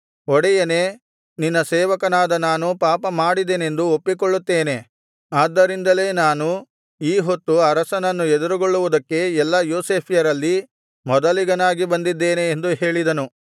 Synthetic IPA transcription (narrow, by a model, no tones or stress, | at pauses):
ɔɽɛjɐneː | ninːɐsɛːʋɐkɐnaːd̪ɐnaːnupaːpɐmaːɽid̪ene̞nd̪uopːikoɭːut̪ːe̞ːne̞ | aːd̪ːɐɾind̪ɐle̞ːnaːnu | iːɦot̪ːuɐɾɐsɐnɐnːuɛd̪uɾuɡoɭːuʋud̪ɐkːe̞ɛlːɐjoːseːpʰijɐɾɐlːi | mɔd̪ɐliɡɐnaːɡibɐnd̪id̪ːeːne̞ːnd̪uɦeːɭid̪ɐnu